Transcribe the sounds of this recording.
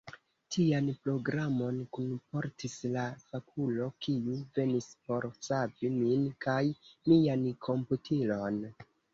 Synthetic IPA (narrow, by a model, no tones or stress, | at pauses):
tʰianpɾo̞ɡɾamo̞nkunpo̞ɾtislafakʰulo̞kiuve̞nispo̞ɾsaviminkajmiankʰo̞mputʰilo̞n